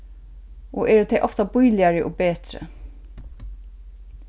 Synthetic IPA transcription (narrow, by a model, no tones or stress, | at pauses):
ɔʔɛːɾt̪ʰɛjʔɔft̪abʊjlɪjaɹɪʔɔbeːt̪ɾə̰